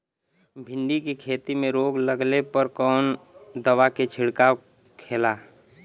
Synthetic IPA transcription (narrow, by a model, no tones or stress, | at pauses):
bʱɪɳɖikekʰeːt̪imẽɾoːɡləɡlepəɾkɔːnd̪əwaket͡ʃʰɪɽka | kʰeːla